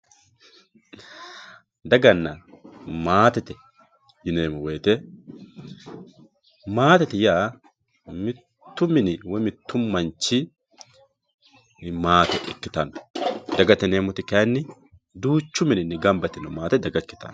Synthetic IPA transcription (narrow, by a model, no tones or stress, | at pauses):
d̪ɐɡɐnːɐmaːt̪ɛt̪ɛ | jɪneːmʊweːt̪ɛ | maːt̪ɛt̪ɪjaː | mɪt̪ːʊmːɪnɪwɛmɪt̪ːʊmːɐnt͡ʃːɪ | maːt̪ɛʔkːɪt̪ɐnd̪ɐɡɐt̪ɛneːmʊt̪ɪkɐnːɪ | d̪uːt͡ʃːʊmɪnɪnːɪɡɐmbɐt̪ɪnɔmaːt̪ɛd̪ɐɡɐkːɪ̥t̪ɐ̰n